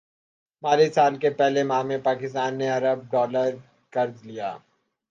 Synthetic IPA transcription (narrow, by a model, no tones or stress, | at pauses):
maːlisaːlkepɛɦlemãːmẽpaːkɪst̪aːnːeɐɾəb̚ɖɔːləɾ | kɐɾzlija̰ː